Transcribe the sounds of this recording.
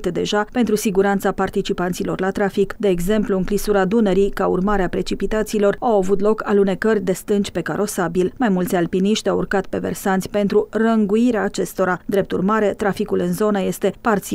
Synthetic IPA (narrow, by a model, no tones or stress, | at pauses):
t̪d̪e̞̰ʒape̞nt̪ɾusiɡuɾant̪sapart̪it͡ʃipant̪silo̞̰rlat̪ɾafikd̪e̞ːɡze̞mpluɨŋklisuɾad̪uneɾikaṵrmaɾeapɾe̞t͡ʃipit̪at̪silo̞rawavut̪lo̞kalune̞kərʲd̪e̞st̪ɨnt͡ʃʲpe̞kaɾo̞sabilmajmult̪sʲalpiniʃt̪ʲawṵrkat̪pe̞ve̞̰rsant̪sʲpe̞nt̪ɾurəŋɡuiɾeaːt͡ʃe̞st̪o̞ɾad̪ɾe̞p̚t̪urmaɾe̞t̪ɾafikulɨnzo̞nəje̞st̪e̞part̪si